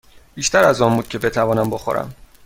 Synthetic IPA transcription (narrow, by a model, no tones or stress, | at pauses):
b̥iːʃt̪ʰæɾæzɒːmbuːd̪̥̚cʰe̞be̞t̪ʰævɒːnæmboxo̰ɾæ̰m